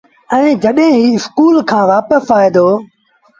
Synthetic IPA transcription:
ɛ̃ːd͡ʒəɗɦẽɦiːɪskuːlkʰãːʋaːpəsaːiːd̪oː

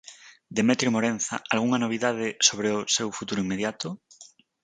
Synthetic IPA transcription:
d̪emet̪ɾjomoɾen̟θa̰alɣ̞uŋanoβ̞iðað̞esoβ̞ɾeʊsewfut̪uɾoimːeð̞jat̪ʊ

